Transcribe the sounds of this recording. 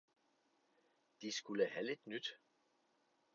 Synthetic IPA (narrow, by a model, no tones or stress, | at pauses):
d̥isɡ̥uləhæle̝d̥nyd̥